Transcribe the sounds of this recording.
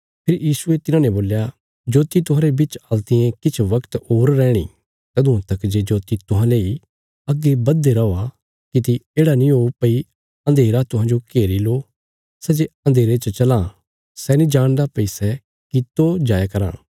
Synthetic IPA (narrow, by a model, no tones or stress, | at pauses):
pʰɪɾjiːsʊet̪ɪnãːnẽboːlja | d͡ʒoːt̪it̪ʊɦãːɾebɪt͡ʃalt̪ɪjẽkɪt͡ʃʰʋɐkt̪oːɾːɛ̃ːɽ̃ḭ | t̪ɐd̪ũɐ̃t̪ɐkd͡ʒed͡ʒoːt̪it̪ʊɦãleːi | ɐɡːebɐd̪ːeɾɐoa | kit̪̬ieːɽanĩɦoːpɐi | ɐ̃nd̪ʱeːɾat̪ʊɦãːd͡ʒokeːɾiloː | sɛd͡ʒeɐ̃nd̪ʱeːɾet͡ʃət͡ʃɐla | sɛnĩd͡ʒaːɽ̃d̪apɐisɛ | kit̪od͡ʒaːjakɐɾã̰ː